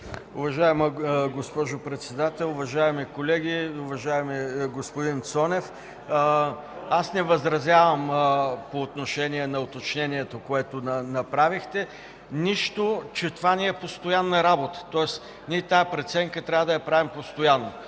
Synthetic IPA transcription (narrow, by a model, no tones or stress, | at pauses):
ʊvɐʒaɛmɐɡospɔʒʊpɾɛt̪sɛd̪at̪ɛlˠʊvɐʒaɛmikolɛɡʲiʊvɐʒaɛmiɡospod̪int̪sɔnɛf | asnɛvɐzɾɐzʲjavəmpoːt̪noʃɛniɛnɐot̪ot͡ʃnɛniɛt̪okoɛt̪onɐnɐpɾavixt̪ɛ | niʃt̪ot͡ʃɛt̪ovanɛɛpost̪ojanːɐɾabot̪ə̥t̪ɔɛs | niɛt̪aɛpɾɛt̪sɛŋkət̪ɾʲavəd̪ɐjɐpɾavimpost̪ojanːo